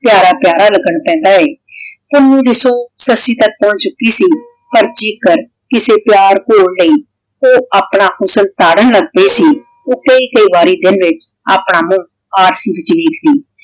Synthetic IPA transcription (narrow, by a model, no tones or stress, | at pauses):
pjaːɾaːpjaːɾaːləɡəɳpɛ̃ːnd̪aːɛː | pʊnːũːd̪ɪsoːsəsiːt̪ək̚pɔ̃ːnt͡ʃʊkːiːsiː | pəɾt͡ʃikəɾ | kɪseːpjaːɾkoːɽləiː | oːaːpɳaːkʰʊsəlt̪aːɽənləɡp̪eːsiː | oːkəiːkəiːʋaːɾiːd̪ɪnʋɪt͡ʃ | aːpɳaːmũː | aːɾsiːʋɪt͡ʃʋeːkʰd̪iː